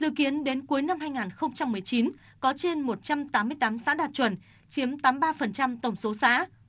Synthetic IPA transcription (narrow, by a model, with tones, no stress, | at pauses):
zɨ̰˧˨ki˨˦ənɗe˨˦nku˨˦jna˧mhaː˧jŋaː˨˩nxə˧wŋ͡mt͡ɕa˧mːɨ˨˩əjt͡ɕi˨˦n | kɔ˨˦t͡ɕe˧nmo˨˩t̚t͡ɕa˧mt̪aː˨˦mːɨ˧əjt̪aː˨˦msa̰ː˧˥ɗaː˨˩t̚t͡ɕwə˧˩n | t͡ɕi˨˦əmt̪aː˨˦mɓaː˧fə˨˩nt͡ɕa˧mt̪ə˧˩wŋ͡mso˨˦sa̰ː˧˥